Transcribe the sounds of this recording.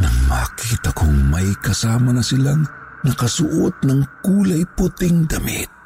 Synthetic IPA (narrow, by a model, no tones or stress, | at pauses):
nɐŋma̰kiːt̪akʊŋmɐjkɐsaːmɐnɐsɪlaŋnɐkɐsʊʔot̪̚nɐŋkuːlajpʊt̪ɪŋd̪ɐmḭt̪̚